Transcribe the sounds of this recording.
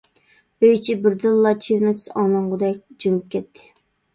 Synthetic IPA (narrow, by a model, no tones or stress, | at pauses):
øjt͡ʃʰibɪɾd̪ɨlˠlːˠɑt͡ʃʰivnot̪ʲʰi̥sɑnɑɴʁʊd̪ɛk̚ʲd͡ʒumɨp̚kʲɛt̪ʰːɪ̥